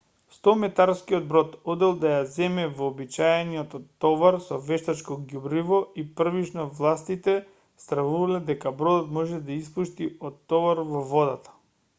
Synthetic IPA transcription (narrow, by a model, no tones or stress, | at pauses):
st̪ɔmɛt̪aɾskiɔd̪̚bɾɔt̪ɔd̪ɛlˠd̪ajazɛmɛvɔːbit͡ʃajɛniɔt̪t̪ːɔvaɾsɔvɛʃt̪at͡ʃkɔɡʲjubɾivɔipr̩vit͡ʃnɔvlˠast̪it̪ɛ | st̪ɾavuvalɛd̪ɛkabɾɔd̪ɔt̪mɔʒɛd̪aispuʃt̪iɔt̪ːɔvaɾvɔvɔd̪at̪ḁ